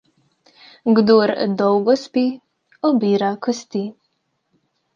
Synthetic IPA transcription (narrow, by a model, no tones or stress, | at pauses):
ɡd̪uɾd̪ɔwɡɔspi | ɔbiːɾakɔst̪i